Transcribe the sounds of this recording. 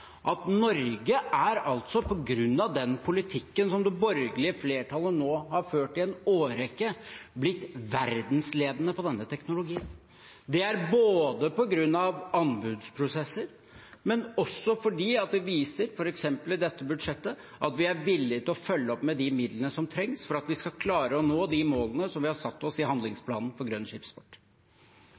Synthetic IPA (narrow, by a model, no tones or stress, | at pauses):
ʔɑt̪nɔɾɡəʔæɾɑlt̪sɔpʰɔɡɾʉnːɑʋd̪ɛnpʰʊlɪt̪ʰɪkːənsɔmd̪ɛbɔɾɡəlɪəfleːʈʰɑlənoːhɑɾføːʈɪɛnoːɾɛkːəblɪt̪ːʋæɾd̪nsleːd̪ənəpʰɔd̪ɛnːət̪ʰɛknʊlʊɡiːn | d̪ɛæɾboːd̪əpɔɡɾʉnːɑʋɑnbʉːd̪spʰɾʊsɛsːəɾ | mɛnɔsːɔfɔɖiːɑt̪̚d̪ɛʋiːsəɾfɔɾɛksɛmpəlɪd̪ɛt̪ːəbʉd̪ʂɛt̪ːə | ʔɑt̪ʋɪæɾʋɪlːɪt̪ʰɪlɔfœlːəɔpmɛd̪ɪmɪd̪lənəsɔmt̪ʰɾɛŋsfɔɾɑt̪ʋɪskɑkʰlɑːɾəɔnoːd̪ɪmoːlənəsɔmʋɪhɑɾsɑt̪ːɔsɪhɑnd̪lɪŋspʰlɑːnn̩pɔɾɡɾœnːʂɪːpspɔʈː